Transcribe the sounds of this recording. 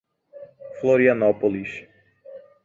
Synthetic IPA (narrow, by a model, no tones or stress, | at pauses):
floɾianɔpoliʃ